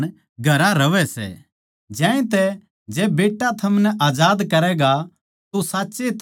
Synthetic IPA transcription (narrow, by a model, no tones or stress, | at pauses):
n | ɡʱɐɾãɾɐʋɛsɛ̰ | d͡ʒɛ̃ːẽt̪ɛ | d͡ʒɛːbeːʈːat̪ʰɐmnɛʔaːd͡ʒaːd̪kɐɾɛɡa | t̪osaːtːset̪ʰ